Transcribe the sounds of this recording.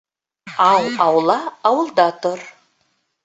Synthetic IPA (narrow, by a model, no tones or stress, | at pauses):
ɑwɑwlˠɑːwəlˠd̪ɑt̪ʊɾ